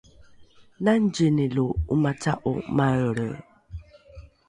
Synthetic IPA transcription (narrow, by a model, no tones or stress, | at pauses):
nan̩d͡ʒiniloumataʔo̰maəɾə̰